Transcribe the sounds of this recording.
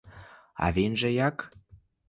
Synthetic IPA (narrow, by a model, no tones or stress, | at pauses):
ɑ̰βenʒĕjɑk